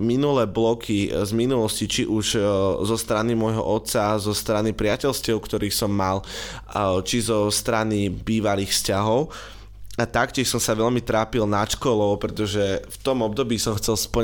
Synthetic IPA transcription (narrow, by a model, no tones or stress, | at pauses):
minulɛːblɔkʰizminulɔscit͡ʃiʔuʒzɔst̪ɾanimɔjɦɔ̰ʔɔt̪sazɔst̪ɾanipɾɪacɛlscɛʊkt̪ɔɾiːxsɔmːal | t͡ʃizɔst̪ɾanibiːʋaliːxfscaɦɔʊ | at̪akcɪɛʃsɔmsaʋɛʎmit̪ɾaːpilnaʃkɔlɔʊpɾɛt̪ɔʒɛft̪ɔmɔb̚d̪ɔbiːsɔmxt͡sɛlspl̩